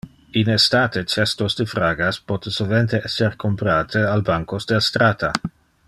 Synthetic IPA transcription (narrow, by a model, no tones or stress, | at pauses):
inest̪aːt̪et͡ʃɛst̪osd̪efɾaːɡaspɔt̪esoment̪eʔɛsːerkʰompɾaːt̪ʰealbaŋkosd̪east̪ɾaːt̪a